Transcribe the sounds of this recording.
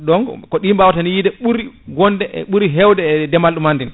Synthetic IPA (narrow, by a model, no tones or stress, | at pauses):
ɗɔŋkɔɗimbawtanijidɛɓuɾiɡɔndɛʔɛ̰ɓuɾiɦɛwdɛːdɛmalɗumandin